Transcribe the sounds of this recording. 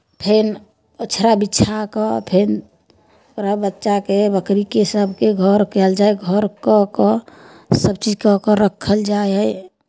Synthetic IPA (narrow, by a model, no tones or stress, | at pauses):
pʰen | ət͡ʃʰɾabitːt͡ʃʰakɔpʰen | ɾəbətːʃakebəkɾikesəbʱkeɡʱəɾkɛld͡ʒaeɡʱəɾkɔkɔ | səb̚t͡ʃid͡ʒkɔkəɾəkʰːəld͡ʒajə